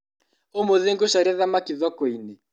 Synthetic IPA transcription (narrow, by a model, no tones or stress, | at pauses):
omoðeŋɡoʃaɾaðamakiðɔkɔine